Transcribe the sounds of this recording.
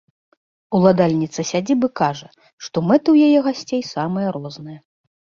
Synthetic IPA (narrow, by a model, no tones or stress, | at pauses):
ulˠad̪alʲnʲit̪sɐsʲad͡zʲibɨkaʐɐ | ʂt̪ɔmɛt̪ɨwjajɛɣasʲt͡sʲejsamɐjɐɾɔznɐjɐ